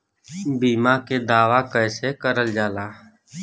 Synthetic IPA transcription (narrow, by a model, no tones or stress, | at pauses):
biːmaked̪aːʋakəːsekəɾəld͡ʒaːlaː